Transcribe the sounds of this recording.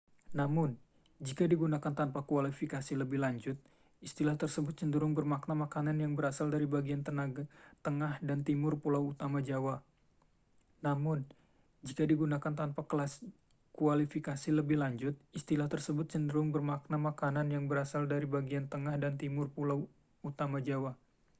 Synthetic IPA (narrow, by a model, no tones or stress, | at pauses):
namʊn | d͡ʒikadiɡunakant̪anpakuwalifikasiləbɪhlaɲd͡ʒʊt̪̚ | ist̪ilaht̪ərsəbʊt̪̚t͡ʃəndəɾʊŋbərmaknamakananjaŋbəɾasaldaɾibaɡiant̪ənaɡat̪əŋahdant̪imʊrpulawut̪amad͡ʒawa | namʊn | d͡ʒikadiɡunakant̪anpakəlas | kuwalifikasiləbɪhlaɲd͡ʒʊt̪̚ist̪ilaht̪ərsəbʊt̪̚t͡ʃəndəɾʊŋbərmak̚namakananjaŋbəɾasaldaɾibaɡiant̪əŋahdant̪imʊrpulaw | ut̪amad͡ʒawa